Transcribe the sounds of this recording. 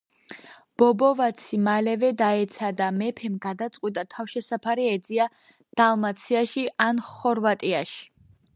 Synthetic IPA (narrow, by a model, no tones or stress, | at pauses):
b̥ɔbɔvat̪sʰimalɛvɛd̪aɛt̪sʰad̪amɛpʰɛmɡad̪at̪sʼwit̪ʼat̪ʰafʃɛsapʰaɾiɛd̪zia | d̪̥alˠmat̪sʰiaʃiʔanχɔɾvat̪ʼiaʃi̥